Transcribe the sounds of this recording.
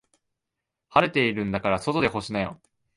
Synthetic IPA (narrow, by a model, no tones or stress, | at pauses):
haɾe̞t̪e̞iɾɯ̟̃nd̪akaɾaso̞t̪o̞d̪e̞ɦo̞ɕinajo̰